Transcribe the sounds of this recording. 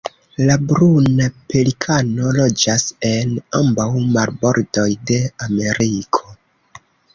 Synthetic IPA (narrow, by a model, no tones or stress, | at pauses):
labɾunapelikʰano̞lo̞d͡ʒase̞nambawmalbo̞ɾdo̞jde̞ame̞ɾikʰo̞